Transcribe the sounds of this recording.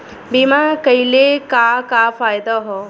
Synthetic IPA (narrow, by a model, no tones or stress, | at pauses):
bimakəjlekakaːfaːjd̪aɦɔ